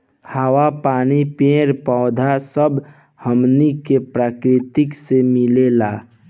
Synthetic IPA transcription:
həwapaːnipẽːɾpɔːd̪ʱasəb | həmnikepɾaːkɾɪt̪ɪksemɪlelaː

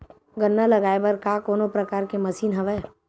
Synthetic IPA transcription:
ɡənːalɐɡaːebɐɾkakoːnopɾɐkaːɾkemɐsiːnɦɐʋɛ

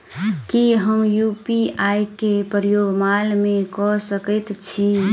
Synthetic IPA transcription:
kiɦəmjuːpiaːjkepəɾjoːɡmaːlmẽkɔsəkət̪t͡ʃʰi

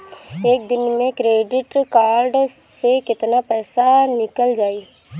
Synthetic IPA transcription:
eːk̚d̪ɪnmẽkɾeːɖɪʈkaːɾɖ | sekɪt̪napɛːsanɪkəld͡ʒaːiː

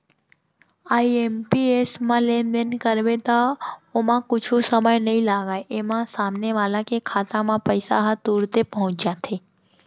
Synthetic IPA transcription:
aiempiesmãlend̪enkəɾʋet̪aomãkʊt͡ʃʰusəməjnəɦĩlaɡaeʔemãsamneʋaːlãkekʰat̪ãmãpəjsa̰ɦat̪uɾt̪epəɦʊ̃t͡ʃjat̪ʰe

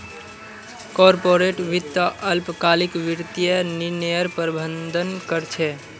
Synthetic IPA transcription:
kɔɾpoɾeʈʋit̪ːəʔəlpkalikʋiɾt̪ijeninjəɾpəɾbʱənd̪ʱənkəɾt͡ʃʰɛ

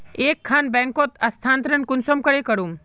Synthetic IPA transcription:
eːkʰːaːnbɛ̃ːŋkot̪ɐst̪ʰaːnt̪ɾənkʊnsomkəɽekɐɽum

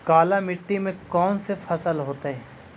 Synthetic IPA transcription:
kaːlamɪʈːimẽkɔːnsefɐsəlɦoːt̪aɦɛː

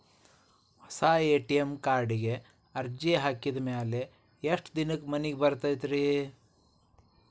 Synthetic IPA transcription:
hɔsaːeːʈijemkaːɾɖiɡe | ɐɾd͡ʒeɦaːkid̪maːle | eʂʈd̪inɨkːmɐniɡebɐɾt̪ajt̪ɾi

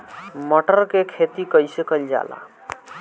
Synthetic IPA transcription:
məʈəɾkekʰet̪ikəjsekəjld͡ʒa̰la̰

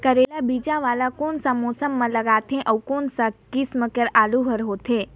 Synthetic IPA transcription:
kəɾelabiːd͡ʒaʋaːlakonsãmosəmːãləɡaːt̪ʰẽʔəwkoːnsakisməkəɾaːluɦəɾɦoːt̪ʰẽ

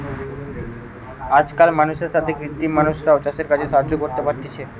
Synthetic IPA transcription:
ad͡ʒkalmanuʃeɾsat̪ʰekɾit̪ːimanuʃɾaot͡ʃaʃeɾkad͡ʑesaɾd͡ʑokoɾt̪epaɾt̪it͡ʃʰe

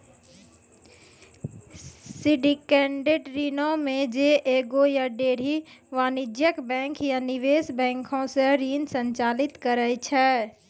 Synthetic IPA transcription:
siɖikɛ̃ːɳɖeʈɾiːnõmẽd͡ʒeʔeːɡojaɖeːɽ̤iʋaːnɪd͡ʒjəkbɛ̃ːŋkjanɪʋeːsbɛ̃ːŋkʰõseɾiːnsə̃ɲt͡ʃaːlɪt̪kəɾəjt͡ʃʰɛː

